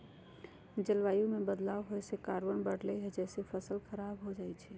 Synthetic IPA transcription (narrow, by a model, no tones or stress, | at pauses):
d͡ʒəlʋajumebəd̪laɦosekaɾʋənbəɽlɛɦɛd͡ʒɛsepʰəsəlkʰəɾabɦod͡ʒajt͡ʃʰɛ